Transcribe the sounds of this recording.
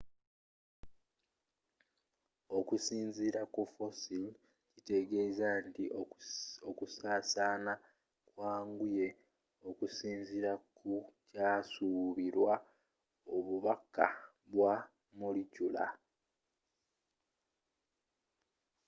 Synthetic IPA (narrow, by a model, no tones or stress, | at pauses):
o̞kusiːɲziɾakufosil | cite̞ɡe̞ːzanti | okusaːsaːna | kwaːŋɡuje̞ | o̞kusiːɲziɾakucaːsuβiɾwa | oβuβaka̰ | βwa | mulicula̰